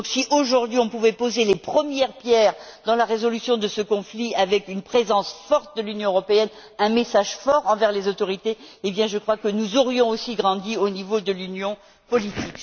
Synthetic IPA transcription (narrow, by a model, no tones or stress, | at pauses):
ɔ̃ksiʔoʒuʁd̪ɥiɔ̃puvɛpozelepχəmjɛʁpjɛʁ | d̪ɑ̃laʁezɔlysjɔ̃d̪əsəkɔ̃fliavɛkynpχezɑ̃sfɔʁt̪̚d̪əlynjɔ̃øʁɔpeɛn | ɛ̃mesaʒfɔʁɑ̃vɛʁlezot̪ɔʁit̪eebjɛ̃ʒəkχwakənuzɔʁjɔ̃osiɡʁɑ̃d̪ionivod̪əlynjɔ̃ | pɔlit̪ik